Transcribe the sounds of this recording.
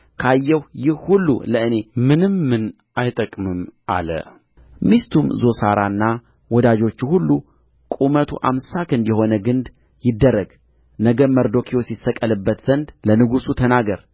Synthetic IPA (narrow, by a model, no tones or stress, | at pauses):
kʰajːɛwjɪhhulːṵləʔɨne̞mɨnɨmːɨn | ajt̪ʼəkʼmɨmʔa̰lə̰ | mist̪ʰumzo̞saɾanːa | wɔd̪ad͡ʒo̞t͡ʃːuhulːu | kʼumət̪ʰṵʔa̰msakɨnd̪jɛho̞nəɡɨnd̪ | jɪd̪ːərːəɡ | nəɡəməɾd̪o̞kʰijo̞sɪsːəkʼəlɨbːət̪z̥ənd̪lənɨɡusut̪ʰənaɡəɾ